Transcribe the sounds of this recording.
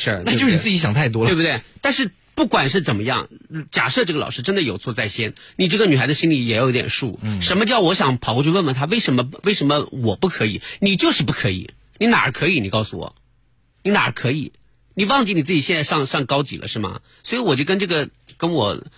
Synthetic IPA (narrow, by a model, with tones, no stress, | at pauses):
ʂɻ̩˥˩a˥˧t͡ɕo˥˧ʂɻn˨˧˩t͡s̩˥˩t͡ɕɕjɑ˨˩ŋt̪ʰa˥˩ɪt̪̬wɔ˥le˥˧bu˧t̪we˥˩ɪt̪a˥˧nʂɻ̩˥˧ | pu˥˩kwa˨˩nʂ̬ɻ̩˥˩t͡sə˨˩nmə˦jɑ̰˥˩ŋt͡ɕja̰˨˩ʂɤ˥˧ʈ͡ʂɤ˥˩ɡə˩lɑ̰˨˩ʊʂɻ̩˥ʈ͡ʂə˥nd̪ə˨˩jo˨˩ʊt͡sʰwɔ˥˧t͡sa˥˩ɪɕjɛ˥nni˨˩ʈ͡ʂɤ˥˩ɡə˩ny˨˩xa˧˥ɪd̪ə˧ɕi˥nli˨˩jɛ˨˧˩jo˧˥t̪jɛ̰˨˩nʂṵ˥˩ʂə˧˥nmə˧t͡ɕjɑ˥˩ʊwɔ˧˥ɕjɑ˨˧˩ŋpʰɑ˨˩ʊkɔ˥˧t͡ɕʰy˥˧wə˥˩nwə˧˥nt̪ʰa˥we˥˩ɪʂə˧˥nmə˧we˥˩ɪʂə˧˥nmə˧wɔ˨˩pu˥˩kʰɤ˧˥ḭ˨˩˦ni˨˩t͡ɕjo˥˧ʊʂɻ̩˥˧pu˥˩kʰɤ˧˥ḭ˨˩˦ | ni˧˥na̰˨˩ə̰˧˥kʰɤ˧˥i˧˥˦ni˨˩kɑ˥˩ʊsu˧wɔ̰˨˩˦ | ni˧˥na˨˩ə̰˧˥kʰɤ˧˥i˨˩˦ | ni˨˩wɑ˥˧ŋt͡ɕi˥˩ni˨˩t͡sɹ̩˥˩t͡ɕi˨˩jɛ˥˧nt͡sa˥˧ʂɑ˥˧ŋʂɑ˥˩ŋkɑ˥ʊt͡ɕḭ˨˩lə̰˦ʂɻ̩˥˩mɐ̰˩ | swɔ˧˥i˧˥wɔ˨˩t͡ɕjo˥˧ʊkə˥nʈ͡ʂɤ˥˩ɡə˨˩kə˥nwɔ̰˨˩